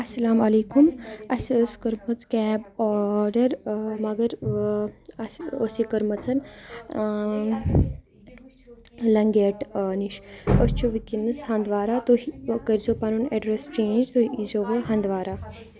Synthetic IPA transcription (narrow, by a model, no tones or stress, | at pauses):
ɐsːɐlaːmɐleːkumɐsəskɐɾmɐt͡skɛːbɔɾɖɐɾmɐɡɐɾ | ɐsosikɐɾmɐt͡sɐn | lɐŋɡeʈniʃəst͡ʃuʋikinːɐshɐnd̪ʋaːɾat̪oɦikɐɾzopanuːneɖɾest͡ʃẽːnd͡ʒt̪oiizoʋeɦɐnd̪ʋaːɾaː